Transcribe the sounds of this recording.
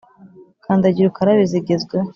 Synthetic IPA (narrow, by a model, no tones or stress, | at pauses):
kʰaːndaɟiɾukaɾaβiziɡezɡwe